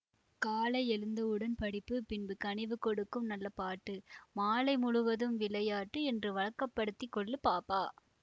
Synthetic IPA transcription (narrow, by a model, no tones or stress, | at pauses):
kaːlɐɪɛlɯnd̪ɐɯɽɐnpɐɽɪpːɯpɪnbɯkɐɳɪʋɯkːɔɽɯkːɯmnɐlːɐpaːʈːɯmaːlɐɪmʊɻʊʋɐðɯmʋɪlɐjaːʈːɯɛndrɯʋɐɻɐkːɐpːɐɽɯt̪ːɪkːɔɭːɯpaːpaː